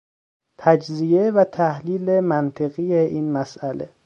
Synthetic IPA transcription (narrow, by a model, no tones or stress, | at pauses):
t̪ʰæd͡ʒzijevæt̪ʰæhliːlemænt̪ʰe̞ɣijeʔiːnmæsʔælʔḛ